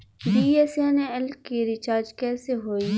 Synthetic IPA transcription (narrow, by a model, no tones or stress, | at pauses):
biːeːsaːneɪlkkːiɾɪt͡ʃaːɾd͡ʒkɛːseɦoːiː